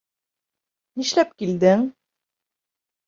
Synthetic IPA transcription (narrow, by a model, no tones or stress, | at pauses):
niʃlæp̚kild̪ɘŋ